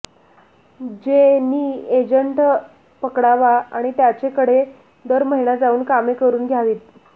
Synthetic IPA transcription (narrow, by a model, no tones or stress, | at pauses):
d͡ʑeniːed͡ʑəɳʈ | pəkɽaʋaa̰ɽ̃it̪jat͡ɕekəɽe | d̪əɾməɦiɳad͡zauːnkamekəɾuːnɡʱjaʋiːt̪̚